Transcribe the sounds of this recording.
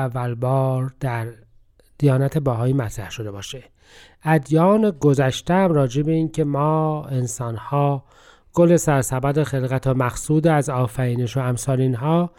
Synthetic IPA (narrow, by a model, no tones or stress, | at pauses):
ævːælbɒːɾd̪̥æɾ | d̪̥ijɒːnæt̪ʰebæɦɒːiːmæt̪ʰɾæhʃo̞d̪e̞bɒːʃe | æd̪jɒːneɡozæʃt̪eæmɾɒːd͡ʒebeiːncʰe̞mɒːe̞nsɒːnhɒː | ɡ̥ole̞sæɾsæbæd̪exe̞lɣæt̪ʰomæxsuːd̪eæzɒːfæɾiːneʃoæmsɒːliːnɦɒː